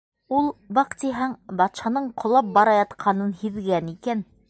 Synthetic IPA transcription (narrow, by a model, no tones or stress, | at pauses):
ulˠbɑqt̪iɦæŋbɑt̪ʃɑnɤɴqʰŏlˠɑp̚bɑɾɑjɑt̪qʰɑnɤnhiðɡænikæn